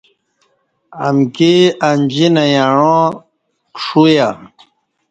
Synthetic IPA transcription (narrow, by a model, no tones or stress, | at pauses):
amkeand͡ʑinajaɻõ | kʂuja